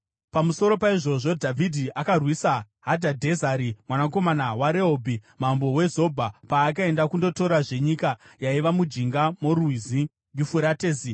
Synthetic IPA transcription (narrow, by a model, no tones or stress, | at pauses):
pamuso̞ɾo̞paiʐo̞ʐo̞dʱavʱidʱiʔakarwisa | ɦadʱadʱe̞zaɾimwanako̞manawaɾe̞ɦobʱimambo̞we̞zo̞bʱapaːkae̞ndakundo̞to̞ɾaʐe̞ɲikajaiʋamud͡ʒiŋɡamoɾuizi | ŋɡifuɾateːzi